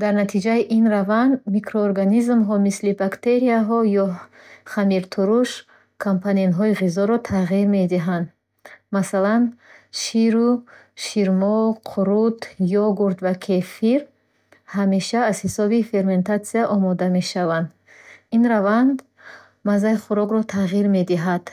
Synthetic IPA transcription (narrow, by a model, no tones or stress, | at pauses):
d̪aɾnat̪ʰid͡ʒaiʔinravand̪mikʰɾoːɾɡanizmɦɔmislibakt̪e̞ɾiaɦɔjɔχamiɾt̪ʰuɾuʃ | kʰompʰanienɦɔiʁizɔɾɔt̪ʰaʁiɾme̞d̪iɦand̪ | masalanʃiɾu | ʃiɾmɔqʰuɾut̪jɔɡuɾd̪vakʰefiɾ | hame̞ʃaːzhisɔbife̞ɾme̞nt̪ʰat̪siaʔɔmɔd̪ame̞ʃavand̪ | inɾavand̪ | mazaiχuɾɔɡɾɔt̪ʰaʁiɾme̞d̪iɦad̪̥